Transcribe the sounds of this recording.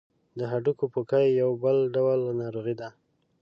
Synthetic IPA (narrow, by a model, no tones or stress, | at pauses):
d̪əɦaɖukopokajːawbəlɖawlnɑɾuɣid̪a